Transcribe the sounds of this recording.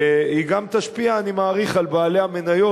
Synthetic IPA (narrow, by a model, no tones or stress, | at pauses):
iɡamt̪aʃpiaːnimaːʁiχalbaːle̞hame̞najo̞